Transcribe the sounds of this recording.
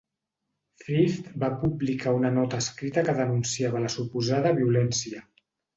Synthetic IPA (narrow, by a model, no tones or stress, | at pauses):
fɾift̪bapublikaunənɔt̪əːskɾit̪əkəðənunsiaβələsupuzaðəβiulɛnsiə